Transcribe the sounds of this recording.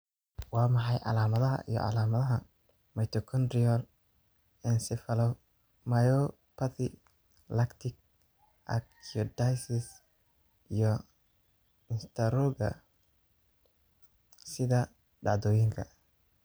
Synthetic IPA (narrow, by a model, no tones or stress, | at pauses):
wɑːmɑħɑjʕɑ̰laːmɐðɐɦɐ̰ʔḭjɔ̰ʕɑ̰laːmɐðɐɦɐ | mɐjt̪ʰɔkʰɔnd̪ɾɪɔl | ɛnsɪfɐlɔw | mɐjɔ | pʰɐθɪ | lɐkt̪ʰɪk̚ | ʔɐ̰kʰiɔd̪ajsɪs | ijɔ | ɪnst̪ʰɐɾɔɡɐ̰ | sɪðɐ | ɖɑʕd̪ɔːjɪŋkʰɐ̰